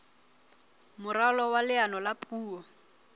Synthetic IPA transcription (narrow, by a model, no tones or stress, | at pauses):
mʊralɔwalɪanɔlapʼuːɔ